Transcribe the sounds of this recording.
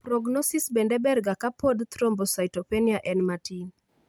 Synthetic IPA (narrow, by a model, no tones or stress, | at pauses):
pɾɔɡnɔsisbɛndɛbɛrɡakapod̪t̪ɾombɔsajtopeniaʔɛnmatin